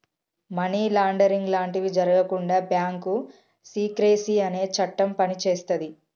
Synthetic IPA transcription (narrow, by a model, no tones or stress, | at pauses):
mɐniːlaːɳɖɐɾiŋɡlaːɳʈiʋid͡ʒɐɾɐɡɐkuɳɖaːbjaːŋku | siːkɾeːsiɐne̞ːt͡ʃɐʈːɐmpɐnit͡ʃeːst̪ɐd̪i